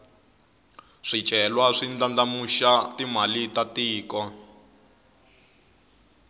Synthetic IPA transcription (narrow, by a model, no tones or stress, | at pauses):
ʂi̥t͡ʃɛlwaʂind͡ɮand͡ɮamuʃatim̤alitatiːkɔ